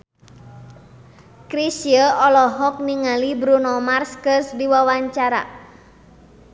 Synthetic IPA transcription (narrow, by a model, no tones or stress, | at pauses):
kɾisiəʔɔlɔɦɔk̚niŋalibɾunɔmarskəsdiwawaɲt͡ʃaɾa̰